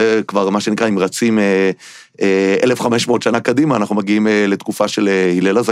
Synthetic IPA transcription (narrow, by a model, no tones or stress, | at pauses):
ekvaʁmaʃenikʁaimʁat͡sime | eelefχameʃmoot̪ʃanakadimaːnaχnumaɡiimele̞t̪kufaʃe̞lehilelaza